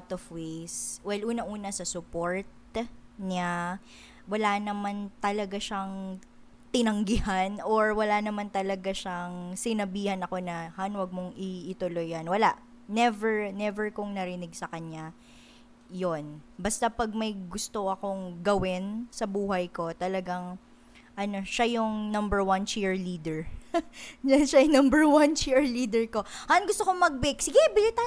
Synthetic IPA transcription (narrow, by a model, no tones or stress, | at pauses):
t̪ofwejswɛlʔuːnɐʔuːnɐsɐsʊpoɹt̪̚ɲa | wɐlanɐmant̪ɐlɐɡaʃaŋ | t̪ɪnɐŋɡɪhanoɹwɐlanɐmant̪ɐlɐɡaʃaŋsɪnɐbiːhɐnɐko̞nɐhanwɐɡ̚moŋɪɪt̪ʊlo̞jɐnwɐlaʔ | nɛvɛɹnɛvɛɹkʊŋnɐɾɪnɪɡsɐkɐɲa | jonbɐst̪apɐɡ̚mɐjɡʊst̪o̞ɐko̞ŋɡɐwɪnsɐbuːɦɐjko̞t̪ɐlɐɡaŋ | ʔɐno̞ʃajʊŋnɐmbɛɹwɐnt͡ʃiɹliːd̪ɛɹ | jɐnʃaʊnɐmbɛɹwant͡ʃiɹliːd̪ɛɹko̞haʔanɡʊst̪okomɐɡ̚bɪksɪɡɛbɪlɪt̪a